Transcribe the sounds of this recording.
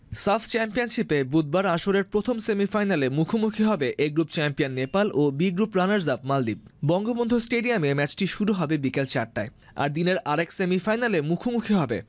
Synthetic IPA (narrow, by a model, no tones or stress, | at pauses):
saft͡ɕɛmpianʃipebud̪̚baɾaʃoɾeɾpɾot̪ʰomsemifajnalemukʰomukʰiɦɔbeʔeɡɾupt͡ɕɛmpianːepalʔobiɡɾupɾanaɾzabmald̪ib̚bɔŋɡobond̪ʱosʈeɖiamemɛt͡ɕʈiʃuɾuɦɔbebikelt͡ɕaʈːae | a̰ɾd̪ineɾʔaɾeksemifajnalemukʰomukʰiɦɔbḛ